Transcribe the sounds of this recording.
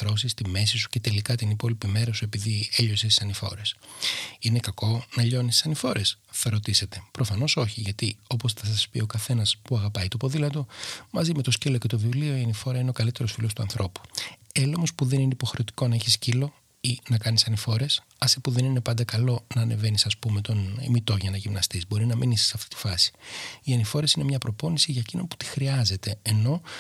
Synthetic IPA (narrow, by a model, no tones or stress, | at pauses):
ɾo̞sist̪ime̞sisu̥ce̞t̪e̞likɐt̪inipo̞lipime̞ɾɐsue̞piðieʎo̞sest̪i̥sɐnifo̞̰ɾe̞sine̞kɐko̞nɐʎo̞nist̪i̥sɐnifo̞ɾe̞s | θɐɾo̞t̪ise̞t̪e̞pɾo̞fɐno̞so̞çiʝɐt̪io̞po̞sθɐsɐspio̞kɐθe̞nɐspuɐɣɐpɐit̪opo̞ðilɐt̪̬o̞mɐzime̞t̪o̞scilo̞ce̞t̪ovivlio̞iɐnifo̞ɾɐine̞o̞kɐlit̪e̞ɾo̞sfilo̞st̪uɐ̰nθɾo̞pu̥elomo̞spuðe̞nine̞ipo̞xɾet̪i̥ko̞nɐeçiscilo̞ | inɐkɐnisɐnifo̞ɾe̞s | ɐsipuðe̞nine̞pɐnd̪ɐkɐlo̞nɐːneve̞nisɐspume̞t̪o̞nḭmit̪o̞ʝɐnɐʝimnɐst̪izbo̞ɾinɐmʔinisi̥sɐft̪i̥t̪i̥fɐsi̥iɐnifo̞ɾe̞sine̞mɲɐpɾo̞po̞nisiʝɐecino̞pu̥t̪i̥xɾiɐze̞t̪e̞ːno̞